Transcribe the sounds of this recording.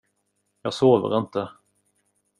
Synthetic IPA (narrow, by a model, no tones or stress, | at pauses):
jɑːɡsoːvə̰ɾɪnt̪ə